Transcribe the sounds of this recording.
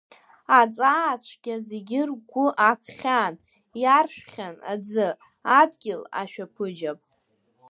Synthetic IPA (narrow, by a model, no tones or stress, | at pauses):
at͡sʼaːt͡ɕʷʰɡ̥ʲazeɡʲɪrɡʷʊʔakʰχʲan | jarʃʷᶣχʲana̰d͡zɨ | adɡʲɪla̰ʃᶣapʰɨd͡ʒapʼ